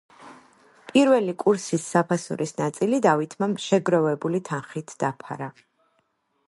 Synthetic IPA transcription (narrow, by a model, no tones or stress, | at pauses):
pʼiɾvɛlikʼuɾsisːapʰasṵɾisnat̪sʼilid̪avit̪ʰmamʃɛɡɾɔvɛbulit̪ʰanχit̪ʰd̥̪apʰa̰ɾa